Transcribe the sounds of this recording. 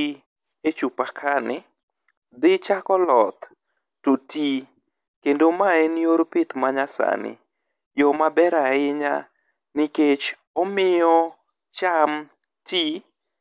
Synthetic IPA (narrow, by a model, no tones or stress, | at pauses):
et͡ʃupakʰanɪ | d̪ɪt͡ʃakɔlɔt̪ | toti | kendomaenjoɾpɪt̪maɲasa̰nɪ̰ | jɔmabɛɾaɪɲa̰ | nɪket͡ʃ | ɔmɪjɔ | t͡ʃam | ti